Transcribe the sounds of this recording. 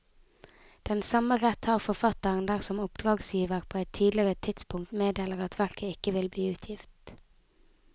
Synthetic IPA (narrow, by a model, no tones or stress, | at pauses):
d̪̥ɛnsɑməʁɛt̪hɑːʁfɔfɑt̪əʁənd̪æːʁsɔmʊpd̪̥ʁɑːɡsjiːʋəʁpʰoːɛt̪ʰːiːd̪lɪəʁət̪ʰɪt̪spʰʊŋkt̪meːd̪eːləʁɑt̪ʰʋæʁkʰəɪkəʋɪlbliːʉːt̪ʰjɪft̪